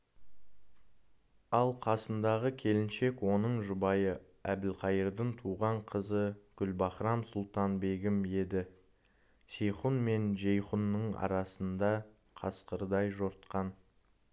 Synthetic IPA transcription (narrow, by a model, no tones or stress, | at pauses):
ɑlˠqʰɑsənd̪ɑʁəkʲʰe̞lɪnʃe̞kwo̞nəɴʒʊbɑjə | æbɪlqʰɑjəɾd̪əɴt̪ʰuʁɑɴqʰəzəɡ̥ʲʏlbɑχɾɑnsʊlˠt̪ɑnbe̞ɡʲɪmje̞d̪ɪ | ʃe̞jχunme̞nʒejχunːəɴɑ̰ɾɑsənd̪ɑ | qʰɑsqəɾəd̪ɑjʒoɾt̪qɑn